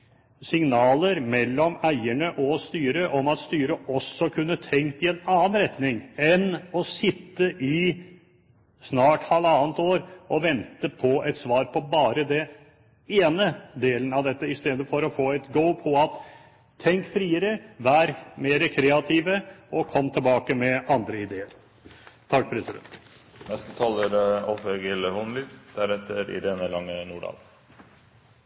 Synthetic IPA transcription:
sɪŋnɑːləɾmɛlːɔmæɪəɳəʔɔst̪yːɾəʔɔmɑt̪st̪yːɾəɔsːɔkʰʉnːət̪ʰɛŋkt̪ɪɛnɑːənɾɛt̪nɪŋɛnɔsɪt̪ːəʔɪ | snɑːʈhɑlɑːnt̪oːɾʔɔʋɛnt̪əpʰɔɛt̪sʋɑːɾpʰɔbɑːɾəd̪ɛ | eːnəd̪eːlən̩ɑʋd̪ɛt̪ːəɪst̪eːd̪əfɔɾɔfoːɛt̪ɡəʊpʰɔɑt̪ʰː | ɛŋkfɾiːəɾəʋæɾmeːɾəkʰɾɛːɑt̪ʰiːʋəɔkʰɔmːt̪ʰɪlbɑːkəmɛʔɑnd̪ɾəɪd̪eːəɾ | t̪ʰɑk̚ːpʰɾɛsɪd̪ɛ̰nt̪ | nɛst̪ət̪ʰɑːləɾɔfeɡəlhɔnlɪd̪d̪̥æɾɛt̪ʰːəɾɪ̰ɾeːnəlɑŋːənuːɖɑ̰l

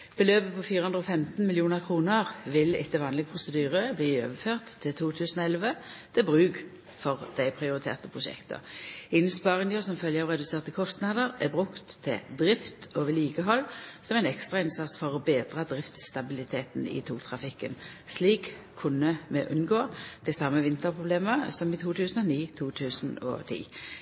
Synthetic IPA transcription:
b̥əløːpəpʰɔfiːʁəhɵnd̪ʁoːfɛmt̪n̩mɪljuːnəʁkʰʁuːnəʁʋɪlɪ̰t̪ːəʋɑːnlɪɡəpʰʁʊsəd̪yːʁəbliːø̰ːʋəføːʁt̪ʰːɪlt̪ʰuːt̪ʰʉːsn̩oɛlʋət̪ʰɪbʁʉːɡ | fɔʁd̪̥æɪpʰʁɪʊʁɪt̪ʰḛːʁt̪əpʰʁʊʃɛ̰kt̪ʰə̰ɪnspɑʁɪŋəsɔmfœljəɑʁɛd̪ʉseːʁt̪əkʰɔst̪nɑːd̪əʁæbʁʉkt̪ʰːɪ̰d̪ʁɪft̪oːʋəliːɡəɦɔlːsɔmæɪnɛkst̪ʁɑɪnsɑt̪sfɔʁɔbeːd̪ʁɑd̪ʁɪft̪st̪ɑbɪlɪt̪ʰeːt̪nɪ̰t̪ʰṵːt̪ʰʁɑfɪkːə̰nsliːkʰː | ʉnəmɛ̰ʔʉnɡoːd̪̥æsɑməʋɪnt̪əʁpʰʁʊbleːməsɔmɪt̪ʰuːt̪ʰʉːsən̩ɔniːt̪ʰuːt̪ʰʉːsnɔ̰t̪ʰḭː

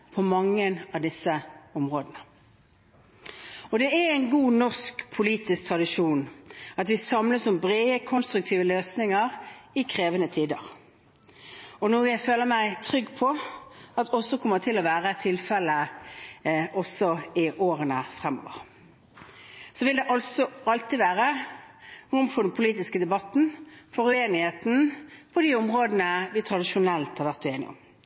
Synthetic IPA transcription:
pʰɔmɑŋːənɑʋd̪ɪsːəɔmʁoːd̪ənə | ɔd̪ɛææɪnɡuːnɔʁskpʰʊliːt̪ɪsk̚t̪ʰʁɑd̪ɪʃuːnɑt̪ʋɪsɑmləsʊmbʁeːəkʰɔnst̪ɾʉk̚t̪ʰiːʋəløːsnɪŋəʁɪkʰʁeːʋənət̪ʰiːd̪əʁ | ɔnuːjæɪføːləmæɪt̪ʰʁʏɡːpʰɔɑt̪ʰɔsːɔkʰɔmːət̪ʰɪlɔʋæːʁət̪ʰɪlfɛlə | ʔɔsɔɪʔoːʁənəfʁɛmːɔ̰ːʋə̰ʁ | sɔʋɪld̪ɛʔɑlsɔɑlt̪iːʋæːʁə | ʊmfʊd̪npʰʊliːt̪ɪskəd̪ɛbɑt̪n̩fɔɾʉeːnɪheːt̪n̩pʰɔd̪iːʊmʁoːd̪ənəʋɪt̪ʰɾɑd̪ɪʃʊnɛlt̪hɑɾʋæʁt̪ʉeːnɪ̰ʊ̰m

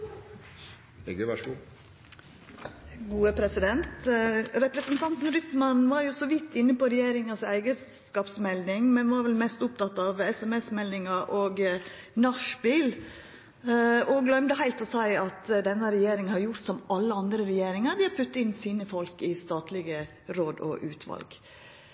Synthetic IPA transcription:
ɛəʋæʂɡu | ɡuːəpʰɾɛsɪd̪ɛnt̪ɾɛpɾəsənt̪ʰɑnt̪n̩ɾʏt̪mɑnʋɑɾjʊsɔʋɪt̪ːɪnːəpɔɾɛjeːɾɪŋɑsæ̰ɪɡəskɑːpsmɛld̪ɪŋmɛnʋɑɾʋɛlmɛst̪ʊp̚t̪ʰɑt̪ːɑʋɛsɛmɛsmɛld̪ɪŋɑʔɔːɡ | nɑʂbiːl | ɔɡlœmd̪əhæɪlt̪ɔsæɪɑt̪d̪ɛnːəɾɛjeːɾɪŋhɑɾjʊɾt̪sɔmɑlːəɑnd̪ɾəɾɛjeːɾɪŋɑɾʋɪhɑɾpʰʉt̪ːɪnːsiːnəfɔlkɪst̪ɑːt̪ʰlɪɡə | ɾoːd̪ɔ̰ʔʉːt̪ʰʋɑ̰lɡ

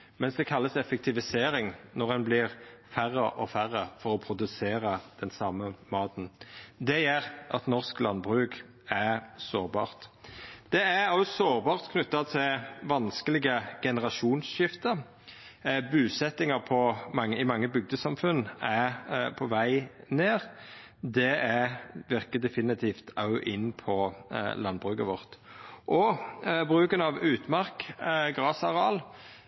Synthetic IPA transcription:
mɛnsd̪ɛkʰɑlːəsɛfɛk̚t̪ʰɪʋɪseːɾɪŋnɔʁɛnblɪʁfæʁːəʔɔfæʁːəfɔʁɔpʰɾʊd̪ʉseːʁəd̪̥ɛnsɑməmɑːt̪n̩d̪ɛjæʁʔɑt̪nɔʁsklɑnbʁʉːk | æsoːʁbɑ̰ːʁt̪d̪̥ɛæɑssoːʁbɑːʁt̪kʰnʉt̪ːɑt̪ʰɪlʋɑnskəlɪɡəɡ̥ɛnəʁɑʃuːnsʃɪft̪əʁ | bʉːsɛt̪ːɪŋɑʁpʰɔmɑŋːəɪmɑŋːəbʏɡ̚d̪əsɑmfʉnæpʰɔʋæɪneːʁ | d̪ɛæʋɪʁkəd̪ɛfɪnɪt̪ʰiːft̪ʰɑʊʔɪnːpʰɔlɑnbʁʉkəʋɔʁt̪ʔɔbʁʉːkənɑʋʉːt̪mɑʁkɡʁɑːsɑʁɑːl

